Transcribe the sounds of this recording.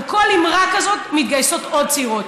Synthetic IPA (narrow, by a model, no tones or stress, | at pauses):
kolimʁakazo̞t̪mit̪̚ɡajso̞t̪od̪̚t͡siʁot̪